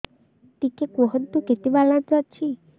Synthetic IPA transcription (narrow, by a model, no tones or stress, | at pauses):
t̪ikekɔɦɔd̪uket̪ibalatɔt͡ʃʰi